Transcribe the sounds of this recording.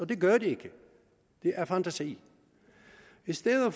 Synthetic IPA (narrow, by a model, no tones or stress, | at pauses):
ɒ̽d̥e̝ɡ̥ɶɐd̥ie̝ɡ̥ə | d̥e̝ʔæɐfænt͡sʰæsḭː | isd̥eðˠəf